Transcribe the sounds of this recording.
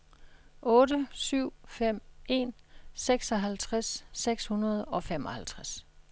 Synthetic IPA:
ʔɔ̽ːdəsyʊ̰fem̰e̝̰ːnseɡ̥sɒ̽ɦælt͡sʰʁasːeɡ̥shunɐð̞ˠɒ̽fem̰ɒ̽hælt͡sʰʁas

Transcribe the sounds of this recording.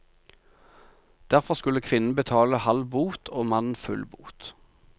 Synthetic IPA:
d̪̥æʁfɔʁskʉləkʰʋɪnn̩bət̪ʰɑːləhɑlbuːt̪ʰoːmɑnn̩fʉlbṵːt̪

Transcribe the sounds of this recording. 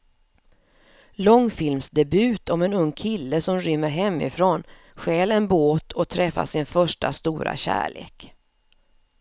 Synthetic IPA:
lɔŋːfɪlmsd̪ɛbʉ̟ːt̪ʰɔmɛnɵŋːkʰɪlːəsɔmɾʏmːəɾɦɛmːɪ̰fɾoːn | ɧɛːlɛnboːt̪ʰɔt̪ʰɾɛfːa̰sɪnfœʂʈa̰st̪uːɾa̰ɕæ̰ːɭḛːk

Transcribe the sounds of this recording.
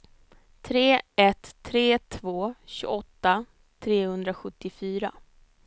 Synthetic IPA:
t̪ʰɾeːɛt̪ʰːɾeːt̪ʰvoːɕɵ̰ɡɔt̪ːa | t̪ʰɾeːhɵnd̪ɾaɧɵt̪ːɪfyːɾa

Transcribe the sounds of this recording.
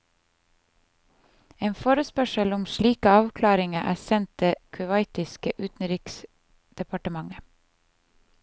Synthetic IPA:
eːnfoːɾəspœʃəlʊmʃliːkəɑːʋkʰlɑːɾɪŋəʔæːsɛnt̪̚d̪eːkʰʉʋɑɪt̪ɪskəʔʉːt̪n̩ɾiːks | d̪̥ɛpʰɑʈəmɑŋə

